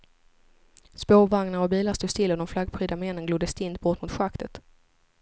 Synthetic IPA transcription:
spoːvaŋnaɾɔbiːlaɾst̪uːst̪ʰɪlːɔd̪ɔmflaɡpʰɾyːd̪amɛnːənɡluːd̪əst̪ɪnt̪̚bɔʈmʊt̪ɧakt̪ʰət̪

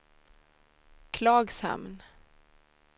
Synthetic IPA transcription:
kʰlɑːɡsha̰mn

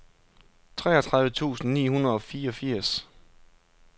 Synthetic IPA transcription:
t͡sʰʁɛ̰ːɒt͡sʰʁɑ̈ðˠʋət͡sʰṵːsn̩nḭːhunɐð̩ˠɒ̽fiːɒ̽fiɐ̰s

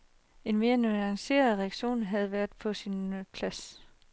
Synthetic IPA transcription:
e̝nme̝ːɐnuɑ̈ŋse̝̰ːɐðˠʁɛæɡ̥ɕo̝̰ːnɦæð̞̩ˠʋæɐð̥ˠpʰɒ̽sinpʰlæs

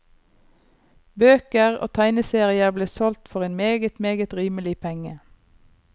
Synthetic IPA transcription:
bøːkəʁo̰ːt̪ʰæɪnəseːʁɪəbleːsɔlt̪fɔʁeːnmeːɡət̪meːɡət̪ʁiːməlɪpʰɛŋə

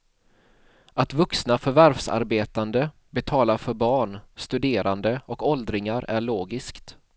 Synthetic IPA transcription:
at̪vɵksnafœɾvæɾvsa̰ɾbeːt̪and̪ə | bɛt̪ʰɑːlafœɾbɑːɳst̪ɵd̪eːɾʔand̪əɔkɔld̪ɾɪŋaɾæɭoːɡɪskt̪

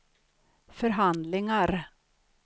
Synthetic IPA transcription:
fœɾɦand̪lɪŋaɾ

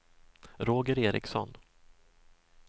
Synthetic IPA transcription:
ɾoːɡəɾeːɾɪ̰ksɔ̰n

